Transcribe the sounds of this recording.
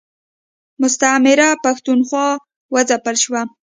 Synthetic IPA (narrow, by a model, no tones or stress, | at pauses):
mʊst̪amɪɾapaxt̪unxwɑ | wəzapəlʃwa